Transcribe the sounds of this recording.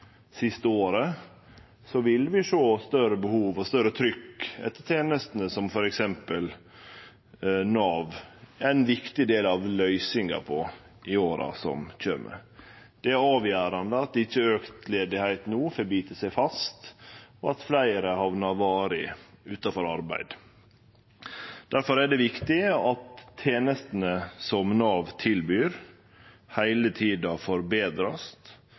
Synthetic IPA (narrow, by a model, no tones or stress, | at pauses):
sɪst̪əoːɾə | sɔʋɪlʋɪʂoːst̪œɾəbəhuːʋɔst̪œɾət̪ʰɾʏkːɛ̰t̪ːət̪ʰeːnəst̪ənəsɔmfɔɾɛksɛmpəl | nɑːʋæɛnʋɪkt̪ɪd̪eːlɑʋlœʏsɪŋɑ̰pʰɔ | ɪoːɾɑ̰sɔ̰mc͡çø̰ːmə̰ | d̪̥ɛæɑːʋjæːɾɑnd̪əɑt̪̚d̪ɛɪçːəøːkt̪leːd̪ɪhæɪt̪nuːfɔɾbiːt̪əsæɪfɑst̪ɔɑt̪flæɪɾəhɑʋnɑʋɑːɾɪʉːt̪ɑfɔɾɑɾbæ̰ɪd̪ | d̪̥æɾfɔɾæɖɛʋɪkt̪ɪɑt̪ʰːeːnəst̪ənəsɔmnɑɑʋt̪ʰɪlbyːɾ | hæɪlət̪ʰiːd̪ɑfɔɾbeːd̪ɾɑst̪